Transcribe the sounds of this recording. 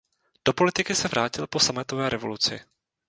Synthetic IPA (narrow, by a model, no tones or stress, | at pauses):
d̥o̞po̞lɪt̪ɪkɪsɛvɾʔaːcɪlpo̞samɛt̪ovɛːɾɛvo̞lut͡sɪ̰